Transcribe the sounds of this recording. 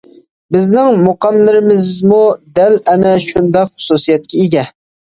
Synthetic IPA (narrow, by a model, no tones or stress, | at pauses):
bɪznɪŋmoqɑmlˠɪɾɪmɪzmud̪ælɛnɛʃund̪ɑqχʊ̥susijɛt̪̚kʲʰɛeɡʲɛ